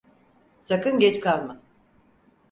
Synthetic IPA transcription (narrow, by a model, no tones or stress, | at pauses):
sakɯnɟɛt͡ʃkalˠma